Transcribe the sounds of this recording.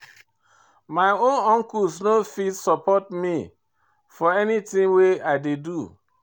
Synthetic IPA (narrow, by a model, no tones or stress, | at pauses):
maɪõnɔ̃ŋkusnofitsɔpɔt̚mi | fɔɛnitĩŋweaɪdedu